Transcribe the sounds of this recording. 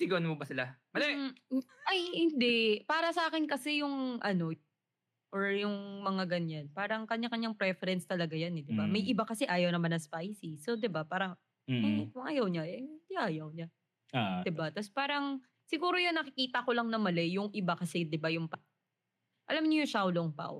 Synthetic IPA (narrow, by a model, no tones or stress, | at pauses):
iɡɐʔɐnmobɐsɪlamɐlɛ | ʔajhɪnd̪ɛʔpaːɾɐsɐʔaːkɪnkɐsɛjʊŋʔɐno̞ | ʔoɹjʊŋmɐŋaɡɐɲːanpaːɾɐŋkɐɲːakɐɲːaŋpɾɛfɛɾɛnst̪ɐlɐɡajanɛd̪ɪbamɐjʔɪbakɐsɛʔaːjɐwnɐmanɐŋspajsisod̪ɪbapaːɾɐŋ | kʊŋʔɐjɐwɲaʔɛd̪ɪʔaːjɐwɲa | d̪ɪbat̪ɐspaːɾɐŋ | sɪɡuːɾojʊŋnɐkɪkiːt̪ɐkolɐŋnɐmɐlɛjʊŋʔɪbakɐsɛd̪ɪbajʊŋpɐ | ʔɐlamɲʊjʊŋʃawloŋpa̰w